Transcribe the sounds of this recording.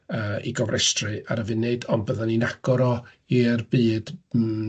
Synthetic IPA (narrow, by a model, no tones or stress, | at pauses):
əːḭɡɔvrʔɛstrɨa̰ɾəvɨnːeɨdɔnbəðaninaɡ̥ɔɾɔ | irbɨːd̥